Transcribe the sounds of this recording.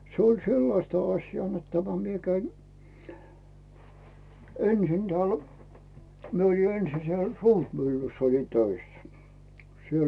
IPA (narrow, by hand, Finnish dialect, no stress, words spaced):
se olʲ selːɑstɑ ɑsʲjɑː net tæmæ mie kæin ensin tĕæˑl mie oli ensi siel suːrmylːysː olin tøisːæ̥ siel